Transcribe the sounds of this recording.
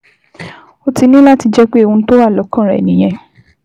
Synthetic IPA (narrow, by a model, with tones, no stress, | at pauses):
o˧ti˧nĩ˦la˦ti˧d͡ʒɛ˦k͡pe˦e˦˧wũ˧˦to˦wa˦˨lɔ˨˦kã˦˨ɾɛ̰˨nĩ˨˦j̃ɛ̃˨˧